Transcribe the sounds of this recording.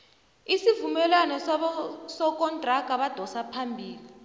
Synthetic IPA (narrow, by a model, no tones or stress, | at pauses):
isivumɛlwanɔ | sɔk̬ʼɔndʱraɡ̥ʱaɓad̥ʱɔsapʰambʱiːli